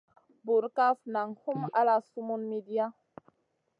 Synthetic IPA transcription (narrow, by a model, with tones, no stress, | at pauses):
bu˨ɾka˦fna˨ŋhu˦ma˦la˦su˦mu˦nmi˦di˦a˦